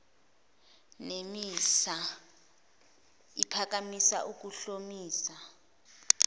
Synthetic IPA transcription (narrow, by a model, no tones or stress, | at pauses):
nemisa | ipʰak̬ʼamisa̰ʔuk̬uɬomiːsa